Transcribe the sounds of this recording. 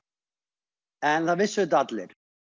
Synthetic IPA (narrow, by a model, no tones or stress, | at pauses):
ɛnθavɪsːʏd̪at̪lɪ̰ɾ̥